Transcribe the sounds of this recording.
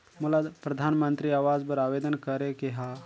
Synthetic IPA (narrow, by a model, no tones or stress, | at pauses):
mʊlapɾɐd̪ʱaːnmə̃nt̪ɾiaːʋaːd͡ʒpɐɾaːʋeːd̪ənkɐɾekeɦa